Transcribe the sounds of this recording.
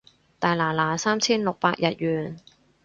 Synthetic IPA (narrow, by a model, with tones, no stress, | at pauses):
t̪aː˨˩jlaː˨˩laː˨˩saː˥mt͡sʰiː˥nlʊ˨k̚paː˧k̚jʔɐ˨t̚jyː˨n